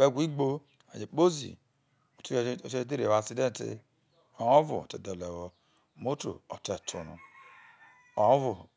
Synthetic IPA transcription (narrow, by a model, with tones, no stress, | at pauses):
e˦˨ɡʷi˦ɡ͡bo˦ | a̰˨d͡ʒe˨k͡po˦zḭ˨ | o˨tu˦˨˦e˦t̬e˦ɾa˨si˦de˦n˨tḭ˨ | ɔ˨o˦vṵ˨te˨dɛ˨lɛ˨wɔ˨ | mo˦to̰˨ɔ̰˨te˨tʰu˨nṵ˨ | o˨ɔ̃˦vu˨